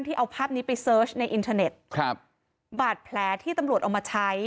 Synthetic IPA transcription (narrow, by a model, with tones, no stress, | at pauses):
nt̪ʰiː˥˩ʔa˧wpʰaː˥˩p̚niː˦˥pa˧jsɤː˦˥t͡ɕʰna˧jʔi˧nt̪ʰaː˧ne˨˩t̪̚kʰp̚ | baː˨˩t̪̚pʰlɛː˩˦˥t̪ʰiː˥˩t̪a˧mɾu˨˩t̪̚ʔa˧˩wmaː˧t͡ɕʰa˦˥j